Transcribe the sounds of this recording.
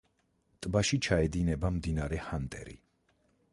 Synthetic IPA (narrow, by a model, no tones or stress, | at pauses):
t̪ʼbaʃit͡ʃʰaɛd̪inɛbamd̪inaɾɛhant̪ʼɛ̰ɾḭ